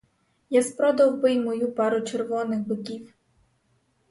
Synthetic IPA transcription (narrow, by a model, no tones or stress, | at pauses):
jaspɾɔd̪ɐwbɪjmɔjupɑɾʊt͡ʃerʋɔnɪxbɪkʲiw